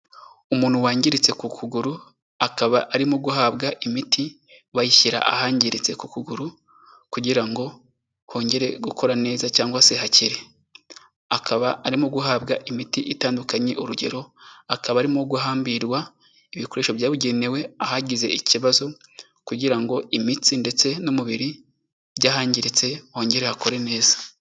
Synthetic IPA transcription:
umuːn̥huwaːɲɟiɾit͡se̞kukʰuɡuɾu | akaβaʔaɾimuɡuɦabɡaʔimiti | βajiʃiɾa̰ʔa̰haːɲɟiɾit͡se̞kukuɡuɾu | kuɟiɾaŋɡo̞ | ho̞ːɲɟe̞ɾe̞ɡukʰo̞ɾane̞ːzacaːŋɡwaseɦaciɾe̞ | akaβaːɾimuɡuɦaːbɡaʔimitiʔitaːndukaɲe̞ʔuɾuɟe̞̰ɾo̞akaβaɾimuɡuɦaːmbiɾɡwa | iβiko̞ɾeːʃoβjaːβuɟe̞ne̞we̞ahaɟize̞̰iciβazo̞ | kuɟiɾaŋɡo̞imitinde̞t͡se̞nomuβiɾi | ɟaːhaːɲɟiɾet͡se̞ho̞ːɲɟe̞ɾe̞hako̞ɾe̞ne̞ːzḁ

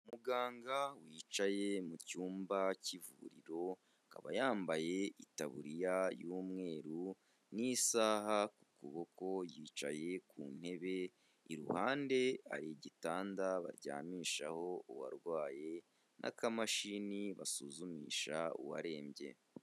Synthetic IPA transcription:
umuɡaːŋɡawiːt͡ʃaje̞mucuːmbacivṵɾiɾo̞ | ka̰βajaːmbaje̞itaβuɾijajuːmŋe̞ːɾu | nisaːhakukuβoko̞jiːt͡ʃa̰je̞kʰuːnhe̞βe̞ | iɾṵhaːnde̞a̰ɾiɟitaːndaβa̰ɾɟa̰ːmiːʃaho̞uwa̰ɾɡwaːje̞ | nʔa̰kamaʃiniβasuzumḭːʃaṵwa̰ɾe̞ːmbje̞̰

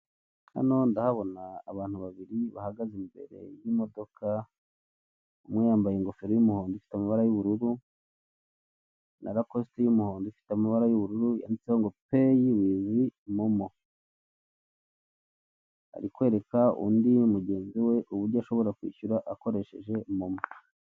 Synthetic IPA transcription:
ha̰no̞ndahaβo̞na̰ːβaːn̥huβaβiɾiβa̰haɡazimbe̞̰ɾe̞̰jimo̞do̞kʰa | umwejaːmbajeŋɡo̞feɾojumuhoːndifi̥tamaβaɾajuβuɾuɾu | nʔa̰ɾako̞stejumuhoːndifi̥tamiβaɾajuβuɾuɾuja̰ːndit͡sehoŋɡo̞pejiwiwimomo | a̰ɾikwe̞ɾe̞kaṵːndimuɟe̞ːnziwe̞ʔuβuɾɟoaʃo̞βo̞ɾakwḭːçuɾaʔako̞ɾe̞ʃe̞ʒe̞momo

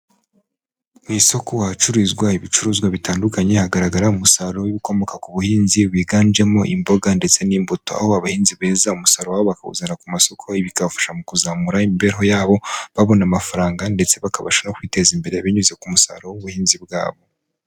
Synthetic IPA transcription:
mwiso̞kowat͡ʃuɾizɡwaiβit͡ʃuɾuːzɡwaβitaːndukaɲe̞haɡaɾaɡaɾaumusaɾowiβiko̞mo̞kakuβuhiːnziwiːɡaːnd͡ʒe̞mo̞ʔimbo̞ɡande̞t͡se̞niːmbuto̞a̰ho̞aβahiːnziβeːzaumusaɾowaβo̞βakahṵzaɾakumaso̞kʰo̞iβikaβafḁʃamukuzaːmuɾaimibe̞ɾɦo̞jaːβo̞βaβo̞namafaɾaːŋɡandet͡se̞βakaβa̰ʃano̞kwiːte̞zimbe̞ɾe̞βiɲuze̞kumusa̰ɾo̞uβuhiːnzibɡa̰ːβo̞

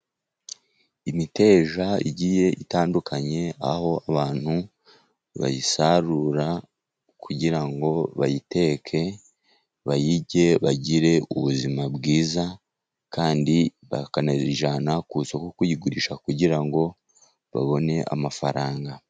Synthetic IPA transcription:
imite̞ːʒaḭɟije̞ʔitaːndukʰaɲe̞aho̞aβaːn̥hu | βa̰jisaɾuɾa | kʰuɟiɾaŋɡo̞βajite̞kʰe̞ | βajiɟe̞βaɟiɾe̞uβuzimabɡiːza | kaːndiβakanaziʒanakusokokujiɡuɾiʃakuɟiɾaŋɡo̞ | βa̰βo̞ne̞ʔa̰mafaɾaːŋɡa

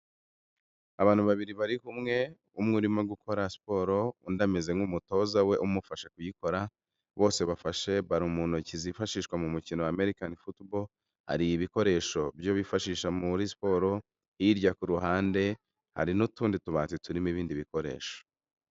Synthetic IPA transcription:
aβaːn̥huβaβiɾiβaɾihumŋe̞ | umŋuɾimaɡukʰo̞ɾaspo̞ɾo̞undameze̞ŋɡumuto̞zawe̞ʔumufaʃekujiko̞ɾa | βo̞ːse̞βafaʃe̞βaɾumuːn̥hucizifaʃiːʃkwamumucinowame̞ɾikanifutbol | ha̰ɾijiβiko̞ɾe̞ʃo̞bjo̞βifaʃiːʃamuɾispo̞ɾo̞ | hiɾɟakuɾuɦaːnde̞ | ha̰ɾinutuːndituβaːnt͡situɾimiβiːndiβiko̞ɾe̞̰ːʃo̥

